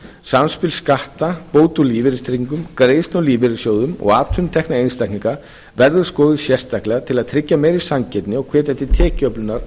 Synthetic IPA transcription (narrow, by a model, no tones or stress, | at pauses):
samspɪlskaht̪apoːwt̪uliːvɪɾɪst̪ɾiŋkʏmkɾeːjsnɔwliːvɪɾɪsjoːwðʏmɔ̰ɣaːt̪ʰʏnt̪ʰɛknaejnst̪ajkniŋka | vɛɾðʏskɔːðɪsjɛst̪ahklɛːɣat̪ʰɪlaðt̪ʰɾɪcːamɛjɾisamcɛt̪nɪɔɣkʰvɛːt̪ɛht̪ːɪt̪ʰɛːcœplʏnːaɾ̥